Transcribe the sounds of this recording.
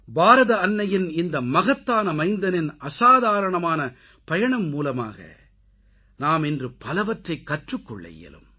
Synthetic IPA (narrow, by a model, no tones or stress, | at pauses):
baːɾɐðɐɐnːɐjɪnɪnd̪ɐmɐɣɐt̪ːaːnɐmɐɪnd̪ɐnɪnɐsaːðaːɾɐɳɐmaːnɐ | pɐjɐɳɐmːuːlɐma̰ːɣɐ̰ | naːmɛndrɯpɐlɐʋɐʈrɐɪkːɐʈrɯkːɔɭːɐ̰jɛ̰lɯ̰m